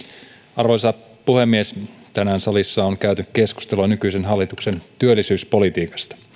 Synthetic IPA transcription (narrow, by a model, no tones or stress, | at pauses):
ɑrʋojsɑ | puhe̞mːiest̪ænæːnsɑlisːɑoŋkæyt̪ynykke̞sku̥st̪eluɑnykyjsenɦɑlːit̪ukse̞nt̪yølːisyːspo̞lit̪iːkɑ̥st̪ɑ̥